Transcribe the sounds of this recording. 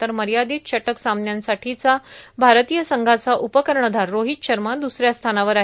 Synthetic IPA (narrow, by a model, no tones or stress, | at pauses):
t̪əɾməɾjad̪iːt̪ɕəʈəksamnjansaʈʰit͡sabʱaɾt̪ijəsəŋɡʱat͡saʔupəkəɾɳəd̪ʱaɾːoɦit̪ɕəɾmad̪usɾjast̪ʰanaʋəɾaɦ